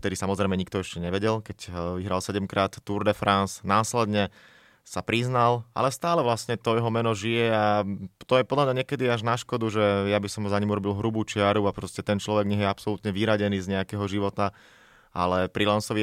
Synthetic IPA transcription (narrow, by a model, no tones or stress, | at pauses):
ft̪ɛd̪isamɔzɾɛɪmɛɲik̚t̪ɔɛʃcɛɲɛʋɛɟɛlkɛcʋiɦɾalsɛɟɛmkɾaːt̪ːuɾd̪ɛfɾansnaːslɛd̪ɲɛ | sapɾiznalʔa̰lɛst̪aːlɛʋlasɲɛt̪ɔjɛɦɔmɛnɔʒijɛat̪ɔjɛpɔd̪lamɲaɲɛkɛd̪iaʒnaʃkɔd̪uʒɛjabisɔmzaɲimuɾɔbilɦɾubuːt͡ʃɪaɾuapɾɔscɛt̪ɛnt͡ʃlɔʋɛɡɲɛɦjɛapsɔlut̪ɲɛʋiɾaɟɛniːzɲɛakɛɦɔʒiʋɔt̪a | ʔa̰lɛpɾilansɔʋi